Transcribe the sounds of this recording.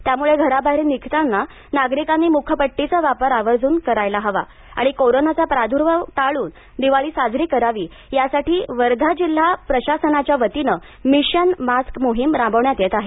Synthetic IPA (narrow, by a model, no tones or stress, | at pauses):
t̪jamuɭeɡʱəɾabʱaiɾenikʰt̪anːa | naɡɾikanːiːmukʰjəpəʈːit͡saʋapəɾaʋəɾd͡zʱuːnkəɾajlaɦəʋa̰ | a̰ɽ̃ikoɾonat͡sapɾad̪ʱuɾʋət̪aɭuːn | d̪iʋaɭiːsad͡zʱɾiːkəɾaʋiː | jasaʈiːʋəɾd̪ʱad͡ʑil̤ːapɾəɕasənat͡ɕjaʋət̪inə | miɕənmaskmoɦimɾãmbəwɳjat̪jet̪aɦe